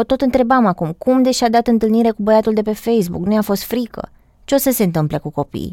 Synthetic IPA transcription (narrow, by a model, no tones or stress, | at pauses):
ot̪o̞t̪ɨnt̪ɾe̞bamakumkumd̪eʃʲad̪at̪ɨnt̪ɨlniɾe̞kubəjat̪uld̪e̞pe̞fe̞js̬buknujafo̞st̪fɾikə̰ | t͡ʃeosəse̞nt̪ɨmplekuko̞pḭj